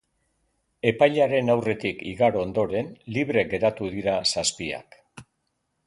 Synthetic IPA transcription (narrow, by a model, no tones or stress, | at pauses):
e̞pajʎaɾe̞nawre̞t̪ikiɣaɾoond̪o̞ɾe̞nliβ̞ɾe̞ɣe̞ɾat̪uðiɾasaspia̰k